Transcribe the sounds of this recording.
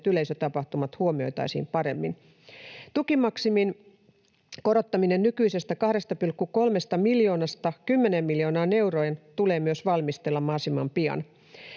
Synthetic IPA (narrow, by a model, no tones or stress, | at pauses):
t̪yleisøt̪ɑpɑht̪umɑt̪huomio̞̰jt̪ɑ̰isḭːmpɑɾe̞̰mːin | t̪ukimɑksimin | ko̞ɾo̞t̪ːɑminennykyisest̪ækɑhde̞st̪ɑpylkːuko̞lme̞st̪ɑmiljo̞ːnɑst̪ɑkymːenemːiljo̞ːnɑːne̞wrojnt̪ule̞ːmyøsʋɑlmist̪elːɑmɑsimɑmpiɑ̰n